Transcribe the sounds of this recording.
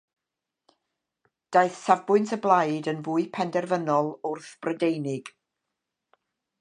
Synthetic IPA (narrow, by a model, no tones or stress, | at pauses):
d̥aɨθsavbʊɨntʰəblˠajdənvuːɨpʰɛndɛrvənɔlˠʊrθb̥rədejnɪɡ̥